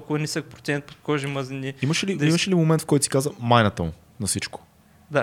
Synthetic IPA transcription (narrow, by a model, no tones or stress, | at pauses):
kʊɐnisək̚pɾo̥t̪ʲɛnɛt̪̚po̥t̪̚kɔʒimɐzinʲiimɐʃɛlid̪imɐʃɛlimomɛnt̪fkɔjt̪si̥kazəmajnɐt̪əmʊ | nɐsit͡ʃko̥ | d̪a